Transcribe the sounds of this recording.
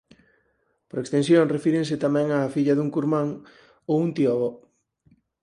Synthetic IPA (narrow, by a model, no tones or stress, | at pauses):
poɾekst̪ẽnsjoŋrefiɾẽŋset̪amɛ̃ŋaːfiʎɐðuŋkuɾmãŋ | owunt̪iɔβo